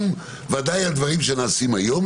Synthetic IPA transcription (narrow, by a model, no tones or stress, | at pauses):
m | vad̪ajald̪vaʁimʃenaːsimajo̞m